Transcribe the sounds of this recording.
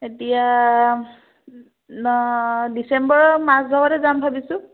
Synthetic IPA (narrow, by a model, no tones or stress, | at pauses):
etija | disembɔɹmazdʱɔbɔɾɛzambʱabisʊ̃